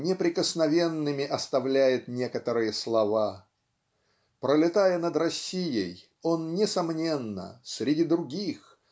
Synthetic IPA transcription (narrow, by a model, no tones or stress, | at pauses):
nʲɪpɾʲɪkəsnɐvʲe̞nːɨmʲɪʔɐst̪ɐvlʲæjɪt̪nʲe̞kət̪əɾɨjəslˠɐva | pɾəlʲɪt̪ajənəd̪ɾɐsʲːijəj | o̞nnʲɪsɐmnʲe̞nːə̰sʲɾʲɪdʲid̪ɾʊɡʲix